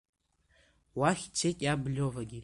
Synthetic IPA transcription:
waχʲt͡sʰetʼjablʲovaɡʲi

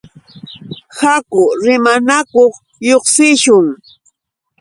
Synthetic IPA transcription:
hakʊɾɪmanakoχ | joχsɪʃʊŋ

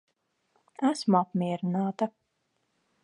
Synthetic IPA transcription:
æsmuapmʲiɛɾinaːt̪ɐ

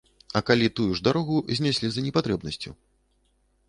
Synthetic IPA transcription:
ɐkalʲit̪ujuʐd̪aɾɔɣuzʲnʲasʲlʲizɐnʲɛpat̪ɾɛbnɐsʲt͡sʲṵ

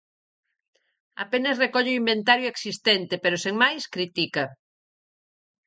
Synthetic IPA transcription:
a̰penɐsrekɔʎeimbent̪aɾjʊeksist̪ɛnt̪epeɾoseŋmajskɾit̪ikɐ

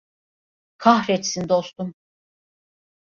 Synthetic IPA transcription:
kʰaɦɾɛt̪sind̪o̞st̪um

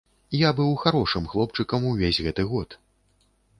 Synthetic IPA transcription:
jabɨwxaɾɔʂɨmxlˠɔp̚t͡ʂɨkɐmuvʲezʲɣɛt̪ɨɣɔt̪

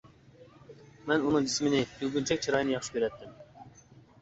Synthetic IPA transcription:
mɛnunɨŋd͡ʒismɪnɪkʰyɡʲynt͡ʃʰɛk̚ʲt͡ʃʰɑɾɑjnjɑχʃɨ̥kʲøɾɛt̪ːɪm

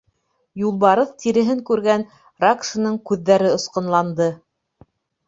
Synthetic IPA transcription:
julˠβɑɾɤθt̪iɾɘ̆ɦɘŋkʉɾɡæn | rakʃɤ̆nɤɴkʉðːæɾɘŏsqɤ̆nlˠɑnd̪ɤ

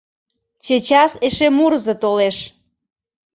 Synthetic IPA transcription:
t͡ɕet͡ɕɑseʃemurzət̪oleʃ

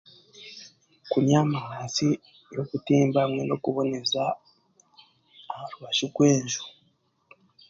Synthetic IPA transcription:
kunɲaːmahaːnsi | jo̞kutiːmbamwe̞no̞kuβo̞ne̞za | maɾuβaʃikwe̞ːɲʒu

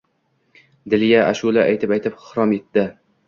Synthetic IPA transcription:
d̪ɪlijaʔaʃulaʔajt̪ʰɪpajt̪ʰɪphɾɒmet̪ːɪ

